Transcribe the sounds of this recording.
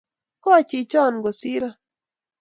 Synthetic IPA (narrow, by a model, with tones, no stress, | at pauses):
kɔ˦a˦˨t͡ʃi˨t͡ʃɔ˦˨nɡo˨si˦ɾa˦